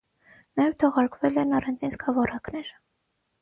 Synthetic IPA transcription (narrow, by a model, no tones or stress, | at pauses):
nɑjɛvt̪ʰɔʁɑɾkvɛlɛnɑrɑnd͡zinskʰɑvɔrɑknɛɾ